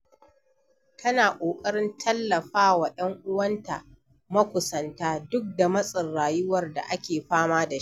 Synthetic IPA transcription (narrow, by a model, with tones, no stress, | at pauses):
tʰɐ˦naː˨ʔʷʼoː˨kʼɐ˦ɽɪ˦ntʰɐ˦lːɐ˨ɸaː˦wa˨jɐ˦ŋʔʊ˦wɐ˦nta˨ | mɐ˦kʷʊ˨sɐ˨ntaː˦dʊ˦k̚da˨mɐ˦sʼɪ˨rːaː˨jʊ˦wɐ˨rda̰˨ʔa˦kʲeː˨ɸaː˦maː˦da˨ʃ